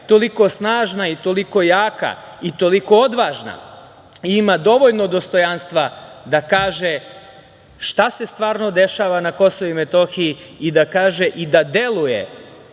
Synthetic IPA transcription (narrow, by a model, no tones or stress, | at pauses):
t̪o̞liko̞snaːʒnait̪o̞liko̞jaːka̰ | it̪o̞liko̞od̪ʋaʒna̰ | imad̪o̞ʋoʎno̞d̪o̞st̪o̞janst̪ʋad̪akaːʒe | ʃt̪ase̞st̪ʋaːɾno̞d̪e̞ʃaːʋanako̞soʋuimet̪o̞xiiid̪akaːʒeʔid̪ad̪e̞lˠujḛ